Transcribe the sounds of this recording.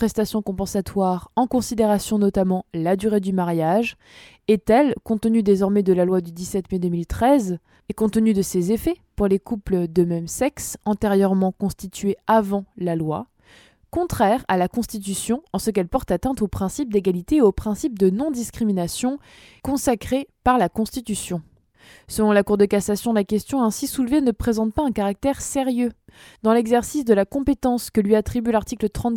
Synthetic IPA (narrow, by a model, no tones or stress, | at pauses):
pχɛst̪asjɔ̃kɔ̃pɑ̃sat̪waʁɑ̃kɔ̃sid̪eʁasjɔ̃nɔt̪amɑ̃lad̪yʁed̪ymaʁjaʒ | ɛt̪ɛlkɔ̃t̪ənyd̪ezɔʁmɛd̪əlalwad̪yd̪isɛt̪mɛd̪əmilt̪χɛz | ekɔ̃t̪ənyd̪əsezefɛpuʁlekupləd̪əmɛmsɛksɑ̃t̪eʁjœʁmɑ̃kɔ̃st̪it̪ɥeavɑ̃lalwa̰ | kɔ̃t̪χɛʁalakɔ̃st̪it̪̬ysjɔ̃ɑ̃səkɛlpɔʁt̪at̪ɛ̃t̪opχɛ̃sip̚d̪eɡalit̪eːopχɛ̃sip̚d̪ənɔ̃d̪iskχiminasjɔ̃ | kɔ̃sakχepaʁlakɔ̃st̪it̪ysjɔ̃ | səlɔ̃lakuʁd̪əkasasjɔ̃lakʲɛst̪jɔ̃ɛ̃sisulvenəpχezɑ̃t̪̚paɛ̃kaʁak̚t̪ɛʁseʁjø | d̪ɑ̃lɛɡzɛʁsisd̪əlakɔ̃pet̪ɑ̃skəlɥiat̪χibylaʁt̪iklət̪χɑ̃t̪